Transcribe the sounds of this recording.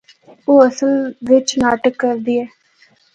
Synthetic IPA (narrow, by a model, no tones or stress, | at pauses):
oːəsəlʋɪt͡ʃnaːʈəkːəɾd̪iːɛː